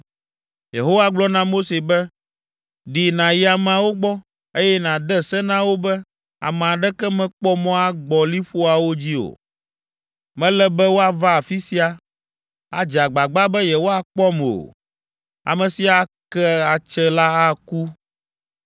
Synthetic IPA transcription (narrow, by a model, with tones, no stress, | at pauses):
je˨ɦo˦wa˦ɡ͡blɔ˦nã˦mo˦se˨bɛ˦ | ɖi˨nã˨ji˦a˨m˨a˨wo˦ɡ͡bɔ˦ | e˦jɛ˦nã˨d̪ɛ˦sɛ˦nã˦wo˦bɛ˦ | a̰˨mɛ̃˨a˨ɖɛ˦kɛ˦mɛ̃˦k͡pɔ˦mɔ̃˦a˦ɡ͡bɔ˨li˦ɸo˦a˨wo˦d͡ʑi˦o̰˨ | mɛ̃˦lɛ˦bɛ˦wo˦a˨va˦a˨fi˦si˦a˨ | a̰˨d͡ʒa˨ɡ͡ba˨ɡ͡ba˦bɛ˦jɛ˨wo˦a˨k͡pɔ˦m˨o̰˨ | a̰˨mɛ̃˨si˦a˨kɛ˦a˨t͡ʃɛ˦la˦a˦ku˦